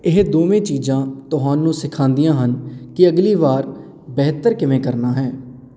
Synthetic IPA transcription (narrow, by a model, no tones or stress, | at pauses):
ɪɦd̪oːmẽːt͡ʃiːd͡ʒãːt̪ʊɦaːnũːsɪkʰãːnd̪ijãːɦənkɪəɡliːʋaːɾ | bɛɦt̪əɾkɪmẽːkəɾnaːɦɛː